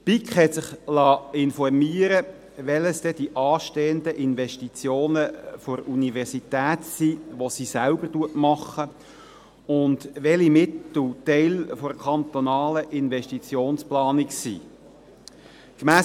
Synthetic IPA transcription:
pikχhɛtsɪχlɑːɪnfɔrmiːəɾə | ʋɛləsd̥ɛd̥iʔɑːʃteːənd̪əʔɪnʋɛʃtit͡sjoːnəfɔɾunivɛʁsit̪æːtsiʋosisælbərtuətmɑχːə | ʊndʋɛlimɪt̪l̩tɛɪlfɔɾkʰɑnt̪ɔnɑːləʔɪnʋɛʃtit͡sjoːnsplɑːniksḭ | kmæː

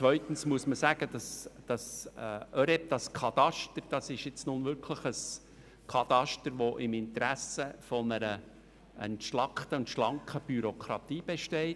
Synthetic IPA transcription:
t͡sʋœʏt̪ən̩smuəsməsæɡ̥ədɑsd̥ɑsœɾɛp̚d̥̪ɑskʰɑt̪ɑʃtəɾd̥ɑsɪʃɪt͡snʊnʋʏɾkʰləχəs | kʰɑt̪ɑʃtəɾʋɔʔɪmɪntɾæsəfɔnəɾə | ə̰ntʃlɑkχtəʊntʃlɑŋkəb̥yɾokʰɾɑt̪iːb̥ɛʃtɛɪ

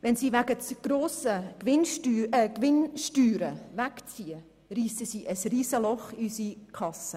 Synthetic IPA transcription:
vɛnsiːvæɡət͡sɡ̥ɾoːsəvɪnʃtyːɛkʋɪnʃtyːɾəvækt͡siːə | riːsəsiːʔəsriːsəlɔχiysikʰɑsə

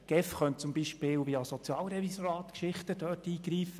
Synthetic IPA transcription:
ɡ̥ɛfχœnt̚t͡sʊmbiʃpɪːlʋiɑsɔt͡sjɑːlɾɛvisoɾɑːt̪kʃɪχtədœtiːɡ̥ɾiːfə

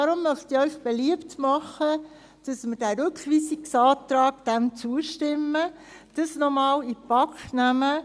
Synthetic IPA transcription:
dɑɾʊmːœχtiɾœʏχb̥eliəptmɑχə | d̥ɑsməɾdæːɾʉkχʋiːsiksɑːtɾɑːɡd̥ɛmt͡suəʃtɪmːə | d̥ɑsnɔmɑːlipɑknæmə

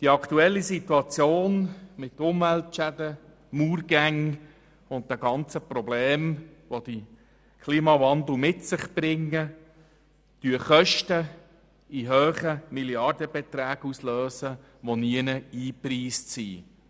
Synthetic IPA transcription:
d̥iɑkt̪uɛlːisit̪uɑt͡sjoːnmɪt̪ʊmvɛltʃædə | muːrɡæŋ | ʊnt̚d̪ɛɡɑnt͡səprɔbleːmʋod̥̪ə | kʰliːmɑʋɑnd̪l̩mɪtsɪχb̥ɾɪŋːə | d̥yəχœʃtə | iɦøːχəmiljɑrdəbɛt̪ɾæːɡusløːsə | ʋoniənəiːpriːstsḭː

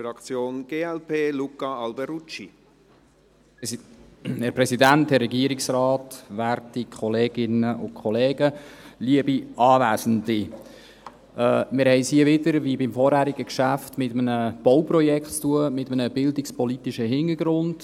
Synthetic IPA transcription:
ɑkt͡sjoːnɡ̥eːɛlpʰeːlukɑɑlbɛɾut͡ʃi | hɛɾpɾɛsidænthɛrːɛɡiəɾiksɾɑːtʋæɾtikʰχɔleːɡɪnəʔʊ̰kʰχɔlɛːɡəliəbiɑːʋæːzəndi | mɪɾhɛɪshiəʋɪdəɾʋibɪmfɔːɾhæːɾiɡəkʃæftmɪtəmənəb̥ɔwpɾɔjɛkχtt͡st̪uəmɪtəmənəb̥ɪldɪkspɔlit̪iʃəɦɪnəɾɡɾʊnd̥

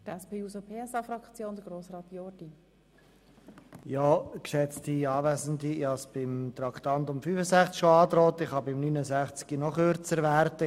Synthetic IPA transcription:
d̥ɛspeːuːsopʰeːɛsɑfɾɑkt͡sjoːnd̪əɡɾoːsrɑːt̪jɔɾd̥i | jɔːkʃɛt͡stiɑːvæːzəndiɑsb̥ɪmt̪ɾɑkt̪ɑnt̪ʊmfyːfəsæχt͡skʃoɑːt̪ɾɔːt̪ɪχhɑbɪmnyːnəzæχt͡skinɔχøɾt͡səɾʋæɾtə

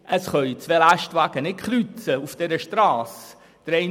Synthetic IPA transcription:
ʔəsχœʏt͡sʋelæʃtʋaɡ̥ənɪtχɾyt͡səufd̥ɛɾəʃtɾɑːs | d̥əɾɛ

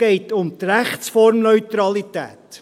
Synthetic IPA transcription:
ɛɪtʊmt̪ɾæχt͡sfɔɾmnœʏtɾɑlitæ̰ːt̪

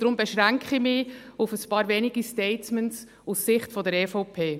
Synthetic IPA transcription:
d̥ɾʊmbɛʃʁæŋkχimɪufəspɑːɾveːnɪɡistɛɪtmɛns | usːɪχtfɔdəɾɛːfoʊpʰeː

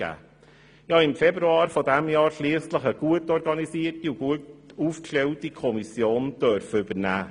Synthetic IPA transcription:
æ̰ː | jɑːɪmfɛbɾuɑːɾfodæmjɑːɾʃliəsləχəɡ̥uətɔɾɡɑnisiːrtiuɡuətuːfklewtikʰɔmisjoːnd̥œɾfəʏb̥ənæ̰ː

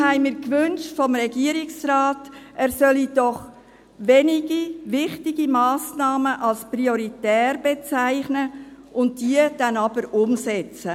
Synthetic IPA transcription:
hɛɪmɪːɾkʋʏnʃtfɔmɾɛɡiəɾɪksraːtʔɛːɾsœlid̥ɔχ | ʋɛniɡiʋɪχtɪɡ̥imɑːsnɑːməʔɑlspriɔɾitɛːrbet͡sæɪχnəʔʊntd̥iəd̥ɛnɑb̥əɾʊmsɛt͡sə

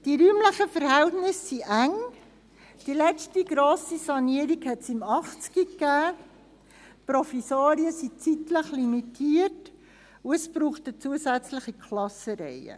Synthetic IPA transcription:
d̥iɾyːmləχəfəɾhɛltnɪsːiʔæŋ | d̥ilɛstiɡ̥ɾoːsisɑniəɾiɡhɛtsɪmɑχt͡skikːæː | pɾofisoːɾiəsit͡sitləχlimitʰiːəɾt | uəspɾuːχtət͡suəsæt͡sləχikʰlɑsəɾɛ̰jə̰

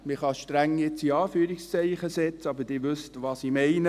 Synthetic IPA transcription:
mɪχɑʃtɾæŋːjɪt͡siɑːfyːɾikst͡sɛɪχəsɛt͡sɑbəd̥ɪːʋʏstʋɑːsimɛɪnə

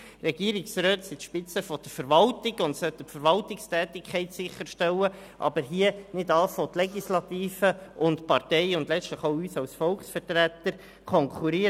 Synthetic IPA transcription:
rɛɡiːɾɪksɾøːt̪sit̪ʃpɪt͡səfɔd̥̪əɾfəɾʋɑltɪɡʊntsœtːəfəɾʋɑltɪkstɛːt̪ɪkʰχɛɪtsɪχːəɾʃtɛwə | ʔɑ̰bəɾɦiənɪdɑːsɔt̪lɛɡislɑt̪iːfəʊntpɑrtɛɪʊndlɛt͡sstləχoʊyːsɑwsfɔlkχsfəɾtɾæt̪əɾ | kʰɔŋkʰuɾiː

